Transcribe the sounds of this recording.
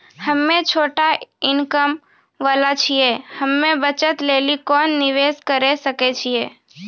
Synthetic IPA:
həmːẽt͡ʃʰoːʈaɪnkəm | ʋəlat͡ʃʰijehəmːẽbət͡ʃət̪lelikɔːnːɪʋeskəɾesəket͡ʃʰie

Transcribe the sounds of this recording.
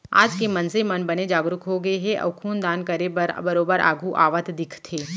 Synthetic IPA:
a̰ːd͡ʒkemɐnsemɐnbɐned͡ʒaːɡɾʊkɦoɡɐeɦɛʔɐ̰ʋkʰuːnd̪aːnkɐɾebəɾbɐɾoːbəɾa̰ːɡʱuʔa̰ːʋət̪d̪ɪkʰt̪ʰeː

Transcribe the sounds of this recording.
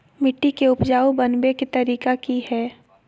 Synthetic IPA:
mɪʈːikeʊpd͡ʒaːubɐnbeket̪ɐɾiːkakihɛː

